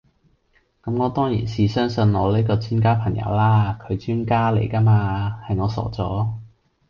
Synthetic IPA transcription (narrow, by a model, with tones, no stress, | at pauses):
kɐ˨˥mŋɔː˨˧t̪ɔː˥ŋjḭː˨˩nsiː˨˧sœː˥ŋsɵ˨˧nŋɔ̰ː˨˧le˥kɔː˧t͡sʰiː˥nkaː˥pʰɐ˨˩ŋjɐ̰˨˧˥wlaː˥kʰɵ˨˧ɥt͡ʃyː˥nkaː˥lḛ˨˩jkɐː˥maː˧hɐ˨jŋɔː˨˧sɔ̰ː˨˥t͡sɔː˨˥